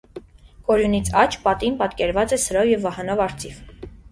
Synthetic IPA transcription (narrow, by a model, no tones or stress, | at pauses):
kɔɾjunit͡sʰɑt͡ʃʰpɑt̪inpɑt̪kɛɾvɑt͡sɛsəɾɔvjɛvːɑhɑnɔvɑɾt͡s̪ʰiv